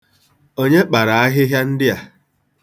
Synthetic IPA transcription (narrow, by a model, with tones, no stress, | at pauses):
o˦ɲe˦k͡pa˨ɾa˨a˦ɦɪ˦ɦja˦n̩˦dɪ˦a˨